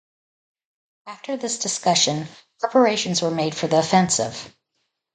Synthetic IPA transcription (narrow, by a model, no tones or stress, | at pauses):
æftʰə˞ðɪsd̥ɨskʌʃɨ̃npʰɹɛpʰə˞eɪʃɨ̃n̩zwə˞meɪd̥fə˞ðiəfɛ̃nsɪ̰v̥